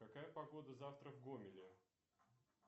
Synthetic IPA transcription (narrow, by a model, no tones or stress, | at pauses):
kɐkajəpɐɡo̞d̪əzaft̪ɾəvɡomʲɪlʲɪ